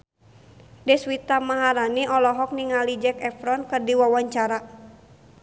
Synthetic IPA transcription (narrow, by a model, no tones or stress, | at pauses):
dɛswit̪amaɦaɾaniʔɔlɔɦɔk̚niŋalid͡ʒɛkɛfɾɔnkɨrdiwawaɲt͡ʃaɾa